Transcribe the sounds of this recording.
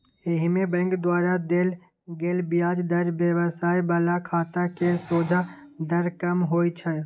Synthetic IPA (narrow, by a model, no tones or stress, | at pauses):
ɪɦmebə̃ŋɡd̪waːɾad̪eːl | ɡeːlbijaːd͡ʒd̪əɾbjəʋəsaːibaːlakʰaːt̪akesoːd͡ʒʱad̪əɾkəmɦoːit͡ʃʰə